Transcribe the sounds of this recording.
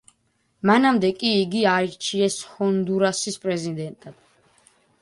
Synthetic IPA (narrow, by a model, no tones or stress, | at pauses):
manamd̪ɛkʼiːɡiaiɾt͡ʃʰiɛshɔnd̪uɾasispʼɾɛzid̪ɛnt̪ʼad̪̥